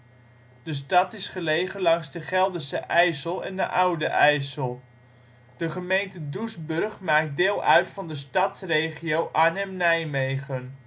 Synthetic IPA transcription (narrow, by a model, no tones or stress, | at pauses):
d̥əstɑtɪsχəlejχənlɑŋzdəχɛlˠdəsəʔɛjsəlˠɛ̰ndə̰ʔawdəʔɛjsəlˠ | d̥əχəmejntədusbɵrχmaːk̚dɪːlˠœɥtfɑndəstɑtsrejχijowʔaːnɛmnɛjmejχən